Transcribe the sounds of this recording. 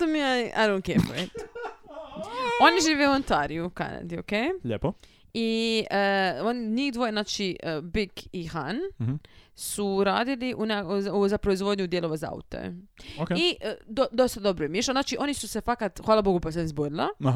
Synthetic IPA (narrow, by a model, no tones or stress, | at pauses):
t̪omiaʔaɾonkepoet̪ | oniʒiːʋeuont̪aɾiuka̰na̰d̪io̰keʎepo | iəoniɲixd̪ʋo̞jenaːt͡ʃibikixan | suɾaːd̪iliʔunazuzapɾoizʋo̞d̪ɲud̪jeloʋaza̰ṵt̪o̰okeid̪od̪ost̪ad̪o̞bɾojemjiʃanaːt͡ʃiʔo̞nisuse̞fakat̪xʋaːlˠabo̞ɡupas̬anizboɾila̰